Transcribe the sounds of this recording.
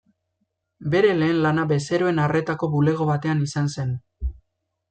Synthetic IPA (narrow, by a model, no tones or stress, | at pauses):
be̞ɾe̞le̞ːnlanabe̞se̞ɾoe̞nare̞t̪ako̞βule̞ɣ̞o̞βat̪e̞anisanse̞n